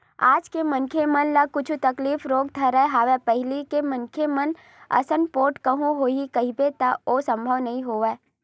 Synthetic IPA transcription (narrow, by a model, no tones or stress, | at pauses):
aːd͡ʒkemɐnkʰemɐnlakʊt͡ʃʰut̪ɐkliːfɾoːɡ̚t̪ʰɐɾəɦaːʋepɛɦɪlikemɐnkʰemɐn | ɐ̰sənpoːʈkɐɦũɦoːikɐɦibet̪aosɐ̃mbʱəʋnɐɦĩɦoːʋeː